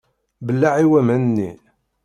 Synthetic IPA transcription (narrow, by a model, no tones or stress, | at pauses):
bəlːaʕiwæmænnːḭ